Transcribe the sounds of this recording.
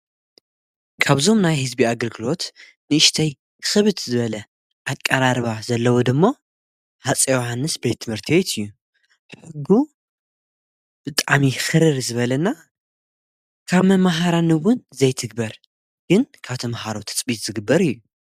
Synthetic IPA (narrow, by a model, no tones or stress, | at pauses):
kʰaβzo̞mnajhɨzbiaɡɐlɡɨlo̞t̪ | nɨɨʃt̪ʰɐj | xɨβɨt̪zɨβɐlɐ | ʔakʼːɐɾaɾβazɐlːɐwod̪ɨmːo | hat͡sʼewhanːɨsbe̞t̪ʰːɨmhɨɾt̪ʰiwet̪ʰɨjːu | ħħɨɡːu | b̥ɨt̪ʼaʕmixɨɾɨɾzɨβɐlɐnːa | kʰaβmɐmaɦaɾanɨwʊnzɐjt̪ʰɨɡ̚bɐɾ | ɡ̥ɨnkʰaβt̪ʰɐmahaɾot̪ʰɨ̥t͡sʼbit̪z̥ɨɡɨbːɐɾɨjːu